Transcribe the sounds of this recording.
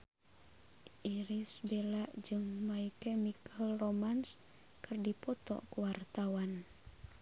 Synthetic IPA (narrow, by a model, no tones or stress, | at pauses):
ʔiɾisbelaʔd͡ʒɨŋmaikɛmikalromans | kɨrdipɔt̪ɔ̰ʔkuwart̪awan